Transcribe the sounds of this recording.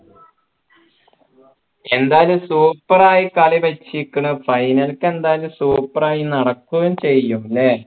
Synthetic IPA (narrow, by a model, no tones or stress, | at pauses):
e̞nd̪aːlumsuːpːɐraːjikɐɭibɐt͡ɕːikʲːuɳufɐjnɐlkːe̞nd̪aːlumsuːpːɐraːjinɐɽɐkːuɣent͡ɕe̞jːumle